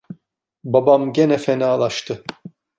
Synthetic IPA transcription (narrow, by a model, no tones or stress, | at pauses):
babamɟenɛfenaːlˠaʃt̪ʰɯ